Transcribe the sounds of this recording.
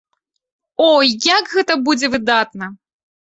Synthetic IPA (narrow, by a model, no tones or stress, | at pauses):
ɔjjakɣɛt̪ɐbud͡zʲɛvɨd̪at̪nɐ